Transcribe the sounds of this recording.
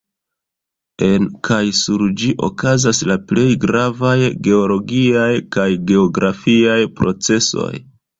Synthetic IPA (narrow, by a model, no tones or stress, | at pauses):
e̞nkʰajsuɾd͡ʒiʔo̞̰kazaslaple̞jɡɾavajɡe̞o̞lo̞ɡiajkajɡe̞o̞ɡɾafiajpɾo̞t͡se̞so̞̰j